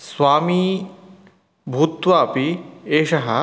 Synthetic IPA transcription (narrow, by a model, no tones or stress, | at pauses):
swaːmi | bʱut̪waːpieʃaɦa